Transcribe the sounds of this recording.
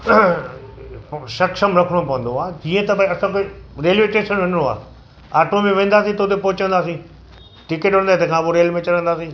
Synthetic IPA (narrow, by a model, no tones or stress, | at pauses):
ʃɐkʃəmɾɐkʰɽ̃opɐʋə̃nd̪oaːd͡ʑiːə̃t̪ɐbʱãɐsãkoɾeːlʋeːʈeːʃənʋɪnəɽoa̰ː | aːʈomẽʋẽːn̆d̪aːsĩt̪oːt̪epoɦɪt͡ɕə̃nd̪aːsĩː | ʈɪkeʈʋɐɽ̃nd̪at̪ekʰãːpoɾeːlmẽt͡ɕɐɾə̃nd̪aːsĩː